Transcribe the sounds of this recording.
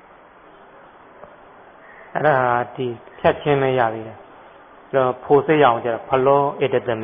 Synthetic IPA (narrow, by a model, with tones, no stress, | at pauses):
ʔɛ̰˦ɾa˨ɦa˨di˨pʰjɛ˦t̚t͡ɕʰɪ̃˦mɛ̃˦ja̰˦˨ðe˦ɾɛ˨ | i˨ɾɔ˦pʰo˨se˦˨ja˨õ˨t͡ɕa̰˦˨ɔ˨pʰə˨lɔ˦ʔe˨də˨t̪ɪ̃˨mb